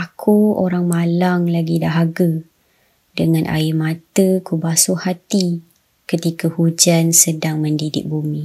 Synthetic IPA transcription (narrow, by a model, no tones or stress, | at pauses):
akʰuoɾaŋmalaŋlaɡidaɦaɡə | dəŋãnʔa̰ɪmãt̪əkubasuhat̪i | kət̪ikahud͡ʒansədaŋməndidɪ̰k̚bumĩ